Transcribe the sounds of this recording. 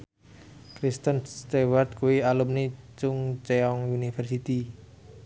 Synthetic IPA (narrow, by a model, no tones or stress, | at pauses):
kɾist̪ənst̪ewart̪̚kuwialumnit͡ʃʊŋt͡ʃeɔŋunifərsit̪i